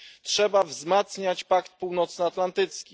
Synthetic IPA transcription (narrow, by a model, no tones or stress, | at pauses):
tʂɛbavzmat̪sɲat͡ɕpakt̪̚puwnɔt̪snɛat̪lant̪ɘt̪skʲi